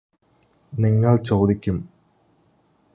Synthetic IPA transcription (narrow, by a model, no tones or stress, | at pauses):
niŋːɐɭt͡ɕo̞ːd̪ikʲːum